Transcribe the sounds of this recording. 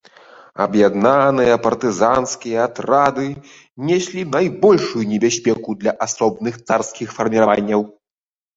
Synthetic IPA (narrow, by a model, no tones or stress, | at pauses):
ɐ̰bjad̪nanɨjɐpɐrt̪ɨzanskʲijɐat̪ɾad̪ɨ | nʲɛsʲlʲinajbɔlʲʂujunʲɛbʲasʲpʲɛkud̪lʲɐʔasɔbnɨxt̪sarskʲixfɐrmʲiɾavanʲːɐw